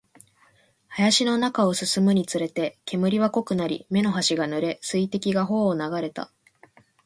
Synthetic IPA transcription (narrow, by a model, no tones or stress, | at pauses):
hajaɕino̞nakao̞sɨsɨmɯ̟ɲ̟it͡sɨɾe̞t̪e̞ke̞mɯ̟ɾʲiβako̞kɯ̟naɾʲḭme̞no̞ɦaɕiɡanɯ̟ɾe̞sɨit̪e̞kʲiɡaɦo̞ːnaɡaɾe̞t̪a̰